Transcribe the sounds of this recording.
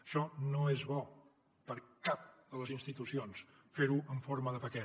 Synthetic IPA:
əʃɔnoezβɔ | pəɾkap̚d̪ələzinst̪it̪usions | feɾuʔəɱfoɾməðəpəkɛ

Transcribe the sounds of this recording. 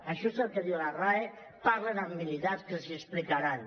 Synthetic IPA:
əʃɔezəlˠkəðiwlarae | paɾlənəmːilit̪askəziəsplikaɾan

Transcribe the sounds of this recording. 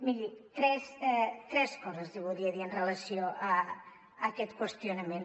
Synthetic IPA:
miʎit̪ɾɛsɛt̪ɾɛskɔzasðeβoðiaðienrelasjoʔa | akɛt̪kwest̪jonamẽn

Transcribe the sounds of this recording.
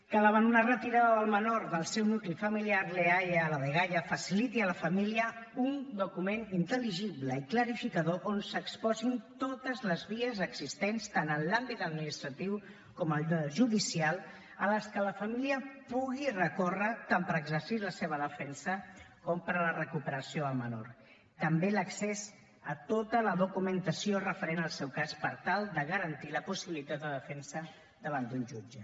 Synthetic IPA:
kələβənd̪unarət̪iɾaðəðəlˠmənoɾðəlˠsɛwnuklifəmiliaɾleajləðəɣajəfəsilit̪iələfəmiliəund̪ukumenint̪əliʒiβləikləɾifikəðoʔonsəkspɔzint̪ot̪əzləzβiəzəɡz̥ist̪enst̪anənlambit̪əd̪̚minist̪ɾət̪iw | kɔməlˠʒuðisialˠ | ələskələfəmiliəpuɣirəkorət̪ampəɾəɡzəɾsiləseβ̞əðəfɛnsəkɔmpəɾlərəkupəɾəsioəlˠməno̰ɾ | t̪əmbeləksez | ət̪ot̪ələðukumənt̪əsiorəfəɾenəlˠsɛwkaspəɾt̪alˠd̪əɣəɾənt̪iləpusiβilit̪at̪̚d̪əðəfɛnsə | d̪əβ̞and̪unʲʒud͡ʒə

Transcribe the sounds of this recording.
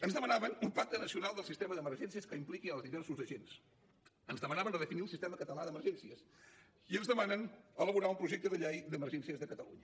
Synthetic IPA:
ənzðəmənaβənumpak̚t̪ənəsiunalˠd̪əlˠsist̪ɛməðəməɾʒɛnsiəskəimplikiəlˠzðiβɛrsuzəʒens | ənzðəmənaβənrəðəfiniəlˠsist̪ɛməkət̪əlaðəməɾʒɛnsiəs | iənzðəmanənələβuɾaumpɾuʒɛk̚t̪əðəʎejd̪əməɾʒɛnsiəzðəkət̪əlṵɲə

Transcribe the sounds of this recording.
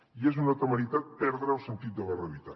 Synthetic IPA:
ies̬unat̪amalit̪at̪̚pɛɾðɾaosent̪it̪̚d̪elareβit̪a

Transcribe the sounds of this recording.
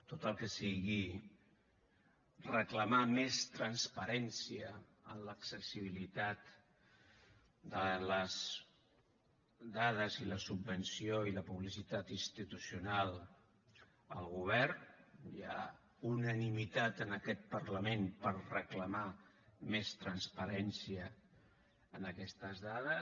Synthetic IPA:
t̪ot̪əlˠkəsiɣi | rəkləmamest̪ɾənspəɾɛnsiə | ə̰nləksəsiβ̞ilit̪at̪ | d̪ələz | d̪að̞əziləsubːənsijoiləpuβlisit̪at̪inst̪it̪usiunalˠ | ə̰lˠɣuβ̞ɛrnja̰ | unənimit̪at̪ənəkɛt̪̚pəɾləmenpərrəkləma | mest̪ɾənspəɾɛnsiəː | nəkɛst̪əzðaðə

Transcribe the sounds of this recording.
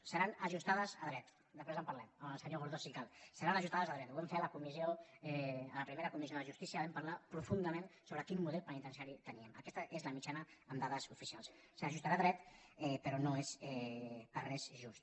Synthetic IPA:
səɾanəʒust̪aðəzəðɾɛt̪ | d̪əspɾezəmpɐɾlɛməməlˠsəɲoɣuɾðosikalˠsəɾanəʒust̪aðəzəðɾɛt̪uβɛmfeləkumizioɛələpɾimeɾəkumizioðəʒust̪isiəβɛmpaɾlapɾufund̪əmensoβɾəkinmuðɛlˠpənit̪ənsiaɾit̪əniəmə̰kɛst̪əʔezləmit͡ʃanəəmd̪aðəzufisialˠsːəʒust̪aɾaːðɾɛt̪ɛpəɾɔnoezɛərɛzʒust̪

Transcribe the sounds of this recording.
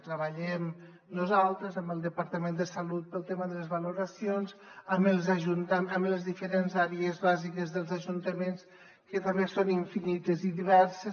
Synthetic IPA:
t̪ɾəβəʎɛm | nuzalˠt̪ɾəzəmbəlˠd̪əpaɾt̪əmend̪əsalut̪̚pəlˠt̪eməðələzβəluɾasionzəməlˠzaʒunt̪əməmləzðifəɾenzaɾiəzβazikəzðəlˠzaʒunt̪əmens | kət̪ambesoniɱfinit̪əziðiβɛɾse

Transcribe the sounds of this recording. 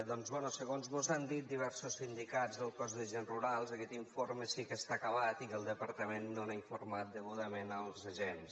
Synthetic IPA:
d̪ɔnzβɛnusəɣonzmozand̪it̪̚d̪iβ̞ɛɾsusind̪ikazðəlˠkɔzdəʒenruɾalˠzəkɛt̪iɱfoɾməsikəst̪akəβat̪ikəlˠd̪əpəɾt̪əmenːonaiɱfuɾmat̪̚d̪əɣuðəmenəlˠzəʒens

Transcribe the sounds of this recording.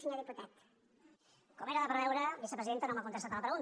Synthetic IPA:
sɲoðiput̪at̪ | komeɾəðəpəɾβɛwɾəβisəpɾəziðent̪ənomakunt̪əst̪at̪aləpɾəɣun

